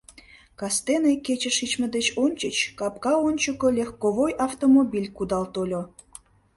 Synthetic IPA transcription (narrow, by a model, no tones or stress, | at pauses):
kɑst̪enejket͡ɕə̆ʃit͡ɕmə̆d̪et͡ɕonʲt͡ɕət͡ɕkɑp̚kɑonʲt͡ɕəkolʲexkoβojɑft̪omobʲilʲkud̪ɑlt̪olʲo